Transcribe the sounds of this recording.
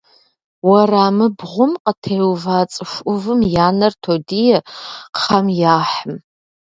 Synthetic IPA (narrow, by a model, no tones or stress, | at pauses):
waraːmɨbʁʷʊmqʼətʰejwvaːt͡sʼɨʂʷʔʊvɨmjaːnɐrtʰodijɛqχɐmjaːħəm